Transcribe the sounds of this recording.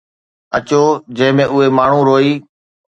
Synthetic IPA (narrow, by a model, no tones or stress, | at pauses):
ət͡ɕoːd͡ʑə̃ɦɪ̃mẽːʊɦeːmaːɳ̤ũɾoːiː